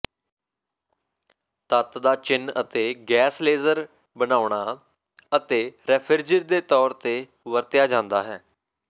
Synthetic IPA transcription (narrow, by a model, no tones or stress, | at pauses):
t̪ət̪d̪aːt͡ʃɪnət̪eːɡɛːsleːzəɾ | bənaːʊɳ̃aː | ət̪eːɾɛːpʰəɾd͡ʒɪɾd̪eːt̪ɔːɾt̪eː | ʋəɾt̪ɪjaːd͡ʒãːnd̪aːɦɛː